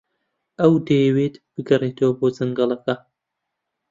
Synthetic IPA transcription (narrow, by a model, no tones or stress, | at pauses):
ʔɐwd̪ɐjɛweːt̪b̥ɨɡɐreːt̪ʰɐwɐboːzɨŋɡɐlˠɐkɐ